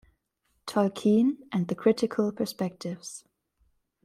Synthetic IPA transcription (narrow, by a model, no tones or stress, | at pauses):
tʰɔlkʰĩnʔɨ̃nðɨkʰɹ̥ɪɾɪkʰəlˠpʰə˞spɛk̚tʰɪvz̥